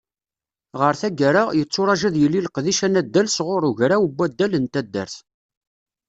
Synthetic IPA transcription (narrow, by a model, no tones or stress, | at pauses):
ʁəɾθæɡæɾajət͡sːʊɾˤɑʒæðjəlːilqðiʃænæd̪ːælsʁʊɾˤʊʝɾawəbːæd̪ːælənt̪æd̪ːə̰ɾθ